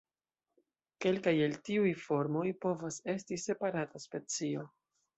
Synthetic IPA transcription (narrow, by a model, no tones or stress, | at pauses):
ke̞lkajeltiujfo̞ɾmo̞jpo̞vase̞stise̞paɾataspe̞t͡sio̞